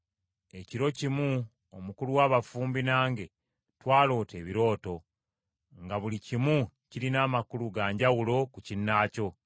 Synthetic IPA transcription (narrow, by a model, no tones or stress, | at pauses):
e̞ciɾo̞cimu | omukuluwaːβafuːmbinaːŋɡe̞ | twaːlo̞ːte̞ːβiɾo̞ːto̞ | ŋɡaβulicimu | ciɾinaːmakuluɡaːɲɟawulo̞kucinːaːco̞